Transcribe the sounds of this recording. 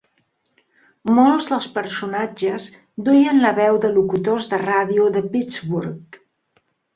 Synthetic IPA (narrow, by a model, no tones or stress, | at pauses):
molˠzðəlˠspəɾsunad͡ʒəz | d̪ujənləβɛwðəlukut̪ozðəraðiuðəpid͡zβuɾk